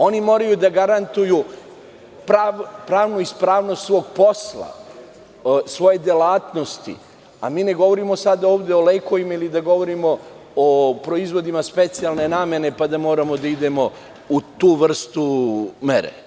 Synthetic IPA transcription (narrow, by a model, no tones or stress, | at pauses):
o̞nimo̞ːɾajud̪aɡaɾant̪ujuː | pɾapɾaːʋnuispɾaːʋnost̪sʋo̞ɡpo̞slˠa̰ | sʋo̞je̞d̪jelaːt̪no̞st̪ḭ | a̰miːne̞ɡo̞ʋo̞ɾimosad̪aoːʋd̪e̞oleːko̞ʋimailid̪aɡo̞ʋo̞ɾimo̞ː | pɾo̞izʋo̞d̪imaspe̞t̪sijalne̞naːmje̞ne̞pad̪amo̞ːɾamo̞d̪aid̪e̞mo̞ | ut̪uːʋr̩st̪umeɾḛ